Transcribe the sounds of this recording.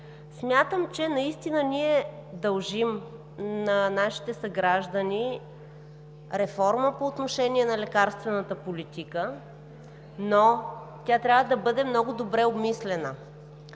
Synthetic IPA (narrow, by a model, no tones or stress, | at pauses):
smʲjat̪əmt͡ʃɛnɐist̪inəniɛd̪ɐlˠʒim | nɐnaʃi̥t̪ɛsɐɡɾaʒd̪əni | ɾɛfɔɾməpoːt̪noʃɛniɛnɐlɛkaɾst̪vɛnət̪əpolit̪ikə | no | t̪ʲat̪ɾʲavəd̪ɐbɤd̪ɛmnɔɡʊd̪obɾɛobmislɛnə